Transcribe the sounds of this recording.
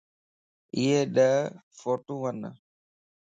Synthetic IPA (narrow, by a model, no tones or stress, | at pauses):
ɪɦeːɗəɦfoːʈũːʋən